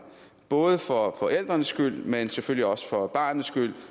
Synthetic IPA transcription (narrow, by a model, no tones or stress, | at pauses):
b̥ɔ̽ːð̞ˠəfɒfɒ̽ʔel̰d̥ʁɐnəsːɡ̥yl̰menseføl̰ljiɒ̽sə̥fɒ̽b̥ɑ̈ːnəsɡ̥yl̰